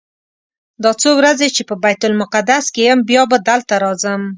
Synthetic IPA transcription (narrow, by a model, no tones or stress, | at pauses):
d̪ɑt͡sowɾazet͡ʃepəbajt̪ʊlmʊqad̪askejəmbjɑbad̪alt̪aɾɑzəm